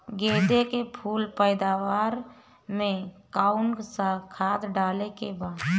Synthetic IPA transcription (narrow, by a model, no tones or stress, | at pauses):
ɡeːd̪ekepʰuːlpəɪd̪aʋaːɾ | mẽkaʊnksakʰaːd̪ɖaːlekebaːd̪